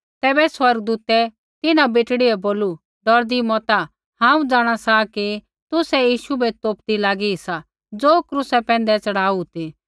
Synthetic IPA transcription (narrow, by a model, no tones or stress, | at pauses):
t̪ɛːbɛswɐɾɡd̪uːt̪ɛ | t̪ɪnãbeːʈɽiɛboːlu | ɖɔɾd̪imɔːt̪a | hãːũd͡zaːɽ̃asaki | t̪ʊsɛjiːʃubɛt̪oːpd̪ilaːɡisa | d͡zoːkɾusɛpɛ̃ːnd̪ɛt͡sɐɽ̤aːut̪i